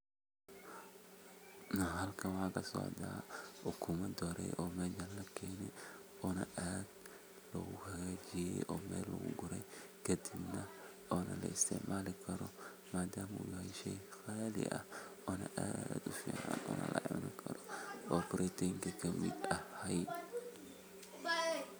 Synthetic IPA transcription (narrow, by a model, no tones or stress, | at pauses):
nɐɦɐlkʰɐwakɐsɔ̰ʕd̪a̰ːʊkʰʊmɐd̪ɔɾɛ̰jʔɔːmɛd͡ʒɐlːɐkʰɛːnɛ | ɔnɐʔad̪ | lɐ̰ɣʊkʰɐɡɐd͡ʒɪjɛ̰ʔɔːmɛ̰ːlːɐ̰ɡʊ̰ɡʊɾɛkɐd̪ɪbnɐ | ɔːnɐ̰lɐɪst̪ʰɪʕmaːlɪkʰɐɾɔ | maːd̪aːmʊ̰jʊhɐjʃɛjfalɪ̰ʔɐ̰ɔːnɐʔaːd̪ʊfḭːʕa̰nɔ̰ːnɐ̰lʔɐ̰ʕɪ̰mnɪkʰɐɾɔʔɔːbʊɾɛt̪ɛŋkikʰɐmɪ̰d̪ɐhɐj